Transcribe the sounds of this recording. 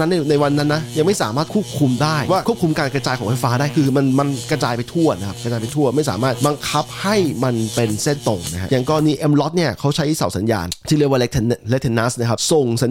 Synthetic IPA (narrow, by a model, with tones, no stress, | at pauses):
a˦˥nːi˥˩na˧jwa˧nːa˦˥nːa˦˥ja˧ŋma˥˩jsaː˩˦maː˥˩kʰu˦˥˩p̚kʰu˧mdaː˥˩jwaː˥˩u˥˩əp̚kʰu˧mkaː˧nkɾa˧t͡ɕaː˧jkʰɔː˨˩˦ŋfʰa˧˩jfaː˦˥daː˥˩jkʰɯː˧ma˧nma˧nkɾa˧t͡ɕaː˧jpa˧jt̪ʰu˥˩ɐna˦˥kʰa˦˥p̚kɾa˧t͡ɕaː˧jpa˧jt̪ʰu˥˩ɐma˥˩jsaː˨˩˦maː˥˩t̪̚ba˧ŋkʰa˦˥p̚ha˥˩jma˧npe˧nse˥˩nt̪o˧˩ŋna˦kʰɦa˦˥ja˨˩ŋkɔː˧˩niː˧˥ʔe˧mlɔ˦˥t̪̚ni˥˩ɐkʰa˦˥wt͡ɕʰa˦˥jsa˨˩wsa˩˦nja̰ː˧nt̪ʰiː˦˥˩lɯ˥˩əwaː˥le˦˥k̚t̪ʰnle˦˥k̚t̪ʰe˧nːa˦˥sna˦˥kʰa˦˥p̚so˨˩ŋsa˨˦